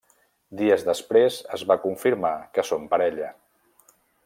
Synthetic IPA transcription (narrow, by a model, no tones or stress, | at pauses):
d̪iəzðəspɾezəzβakuɱfiɾmakəsompəɾɛʎə